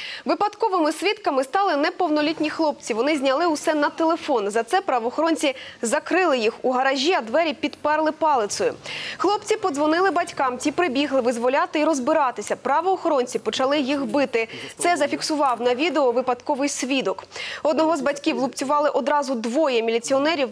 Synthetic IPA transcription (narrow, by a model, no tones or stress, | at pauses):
ʋɪpɐd̪kɔʋɪmɪsʲʋʲit̪kɐmɪst̪ɑlˠɪnɛpɔwnɔlʲitʲnʲixlˠɔpt͡sʲiʋɔnɪzʲnʲɐlˠɪʊsɛnɐt̪elˠefɔnzɐt̪sɛpɾɐʋɔːxɔɾɔnʲt͡sʲizɐkɾɪlˠɪjixuɦɐɾɐʒʲiɐd̪ʋɛɾʲipʲid̪pɛrlˠɪpɑlˠɪt̪sɔjʊ̰xlˠɔpt͡sʲipɔd̪zʋɔnɪlˠɪbɐtʲkɑmtʲipɾɪbʲiɦlˠɪʋɪzʋɔlʲɑt̪ɪiɾɔzbɪɾɑt̪ɪsʲɐpɾɐʋɔːxɔɾɔnʲt͡sʲipɔt͡ʃɐlˠɪjixbɪt̪ɪt̪sɛzɐfʲiksʊʋɑwnɐʋʲid̪eɔʋɪpɐd̪kɔʋɪjsʲʋʲid̪ɔkɔd̪nɔɦɔzbɐtʲkʲiwlˠʊpt͡sʲʊʋɑlˠɪʔɔd̪ɾɑzʊd̪ʋɔjɛmʲilʲit͡sʲiɔnɛɾʲiw